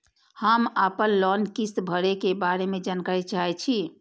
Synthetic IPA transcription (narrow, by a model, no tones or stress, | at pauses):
həmapənlɔnkist̪bʱəɽekebaɾemed͡ʒankaɾit͡ʃaɦɛt͡ʃʰi